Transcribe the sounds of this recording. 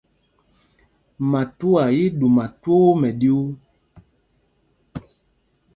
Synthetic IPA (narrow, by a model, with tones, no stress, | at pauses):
ma˨tu˦a˨ji˦du˨ma˨two˦mɛ˨ɗi˦u˦